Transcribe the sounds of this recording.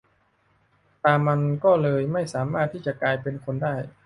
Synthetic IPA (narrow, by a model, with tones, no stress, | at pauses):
t̪aː˧mːa˧nkɔː˥˩lɤː˧jma˥˩jsaː˩˦ma˥˩t̪ʰːiː˥˩t͡ɕa˨˩klaː˧jpe˧nkʰo˧ndaː˥˩j